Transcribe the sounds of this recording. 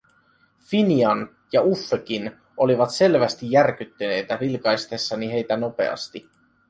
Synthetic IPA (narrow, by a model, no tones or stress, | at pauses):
finiɑn | jɑufːøk̟in | ʔo̞liʋɑt̪se̞lʋæst̪ijːærk̟yt̪ːyne̞jt̪æɾilkɑjst̪e̞sːɑniɦe̞jt̪æno̞pe̞̰ɑ̰st̪i